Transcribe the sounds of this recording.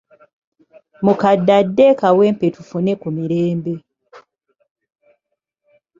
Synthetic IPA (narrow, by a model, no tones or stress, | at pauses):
mukadːadːekawe̞ːmpetufune̞kumiɾeːmbe̞